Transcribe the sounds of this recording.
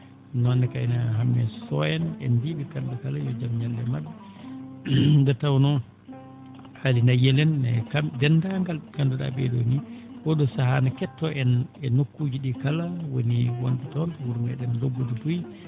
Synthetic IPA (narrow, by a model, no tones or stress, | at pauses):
nɔnːɛkajnahamːɛsɔjɛnɛ̰ndiɓɛkandukalajɔd͡ʒamɲalːɛmadːa | dɛtawnɔ | halinajɛlɛnɛkadɛndaŋɡalkanduɗa̰bɛ̰doni | kɔɗɔsahanakɛtːɔʔɛnɛnokːud͡ʒiɗikalawo̰niwɔndɛtɔnwuɾumɡaɗɛndobːudubuj